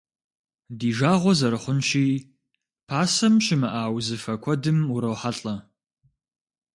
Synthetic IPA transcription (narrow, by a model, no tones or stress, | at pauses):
diːʒaːʁʷɔzɐɾɨχʷʊnʃiː | pʰaːsɐmɕɪmɨʔaːwzɨfɐkʷʰɔdɨmuɾɐwħaɬʼɐ